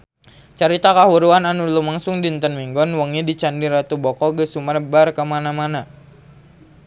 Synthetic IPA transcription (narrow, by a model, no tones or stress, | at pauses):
t͡ʃəɾit̪akaɦuɾuananulumaŋsʊŋdint̪ənmiŋɡɔnwəŋidit͡ʃandiɾat̪ubɔkɔɡəsumərbarkəmanamana